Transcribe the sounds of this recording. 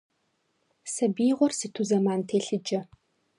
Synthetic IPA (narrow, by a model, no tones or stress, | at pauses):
sɐbiːʁʷɔrsiːtʰuzɐmaːntʰeːɬɨd͡ʒɐ